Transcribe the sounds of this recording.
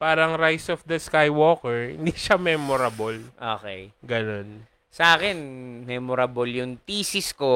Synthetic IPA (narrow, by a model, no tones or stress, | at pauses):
paːɾɐŋɾajsɔfd̪ɐskajwoːkɛɹhɪ̰nd̪iʃamɛːmoɾɐbolʔoːkɛjɡɐno̞n | sɐʔaːkɛnmɛmoɾɐboljʊŋt̪iːsɪsko̞